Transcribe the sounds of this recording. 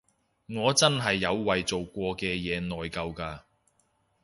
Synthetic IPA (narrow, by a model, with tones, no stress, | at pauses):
ŋɔː˨˧t͡sɐ˥nɦɐ˨jːɐ˨˧wːɐ˨jt͡so˨wkʷɔː˧kɛː˧jɛː˨˧nɔː˨jkɐ˧wkaː˧